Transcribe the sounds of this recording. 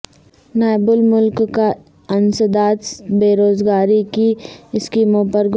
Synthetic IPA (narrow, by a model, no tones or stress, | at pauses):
naːjbʊlmʊlkka | ɐnsəd̪aːt̪beːɾoːzɡaːɾikiɪskiːmõpəɾɡ